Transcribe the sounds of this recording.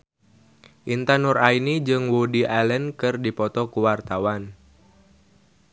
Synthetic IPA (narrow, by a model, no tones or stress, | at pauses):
ʔint̪anurainid͡ʒɨŋwudiʔalɛnkɨrdipɔt̪ɔkuwart̪awan